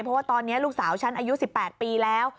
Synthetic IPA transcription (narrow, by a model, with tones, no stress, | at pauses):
jpʰɾɔ˦˥waː˥˩t̪ɔː˧nːi˦˥ɐluː˥˩k̚saː˩˦wt͡ɕʰa˦˥nʔaː˧ju˦˥si˨˩pːɛː˨˩t̪̚piː˧lɛː˦˥w